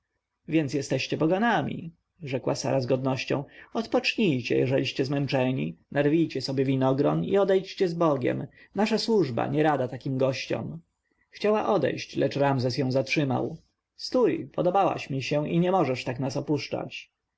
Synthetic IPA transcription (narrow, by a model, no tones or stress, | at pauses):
vʲjɛnt̪sjɛst̪ɛɕt͡ɕɛpɔɡanamʲḭ | ʐɛkwa̰sa̰ɾazɡɔd̪nɔɕt͡ɕɔ̰̃w̃ɔt̪pɔt͡ʂɲijt͡ɕɛ̰jɛʐɛlʲiɕt͡ɕɛzmɛnt͡ʂɛɲḭnaɾvʲijt͡ɕɛsɔbʲjɛvʲinɔɡɾɔnḭɔd̪ɛjt͡ɕt͡ɕɛzbɔɡʲɛ̰mnaʂaswuʐba̰ɲɛɾad̪at̪akʲimɡɔɕt͡ɕɔ̰m | xt͡ɕawaʔɔd̪ɛ̰jɕt͡ɕlɛt͡ʂɾamzɛs̬jɔ̃w̃zatʂɘma̰w | st̪ujpɔd̪ɔbawa̰ɕmʲiɕɛiɲɛmɔʐɛʂt̪aknasɔpuʂt͡ʂa̰t͡ɕ